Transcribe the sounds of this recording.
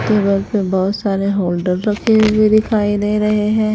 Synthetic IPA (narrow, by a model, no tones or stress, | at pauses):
t̪ebəɾpebɔːt̪saːɾeɦoːlɖəɾːɐkʰewebʱid̪ɪkʰaːid̪eɾɐɦeɦɛ̃ː